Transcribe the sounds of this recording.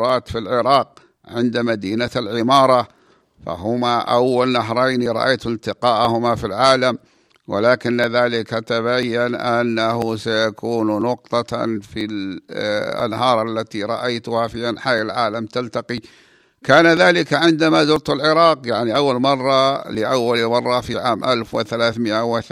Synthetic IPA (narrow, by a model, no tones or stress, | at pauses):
ɾˤɑːt̪filʕɪɾɑːq̚ | ʕɪnd̪amad̪iːnalʕɪmɑːɾˤɑ | fa̰ɦʊmaʔawːalnaɦɾˤɑjniɾˤɑ̰ʔa̰jt̪ɪnt̪ɪqɑːʔhʊmafilʕaːlam | wʔɪ̰laːkɪnːɪðaːlɪkat̪aβajːanʔanːaɦʊsajakuːnnʊq̚t̪ˤɑfil | ʔa̰nːɦɑːɾˤʔalːat̪iɾˤɑʔajt̪ʊhafiʔanħajalʕaːlamt̪alt̪aqi | kaːnaðaːlɪkaʕɪnd̪amazʊɾt̪alʕɪɾɑːqjaʕniʔawːalmɑrˤːɑlɪʔawːalmɑrˤːɑfiʕaːmʔalfwɪ̰θalaːθmɪʔawɪθ